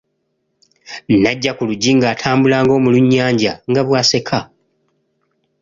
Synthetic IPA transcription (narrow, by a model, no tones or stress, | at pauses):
nnːaɟːakuluɟːiŋɡaːtʰaːmbulaːŋɡo̞ːmuluɲːaːɲɟaŋɡaβwaːse̞kʰa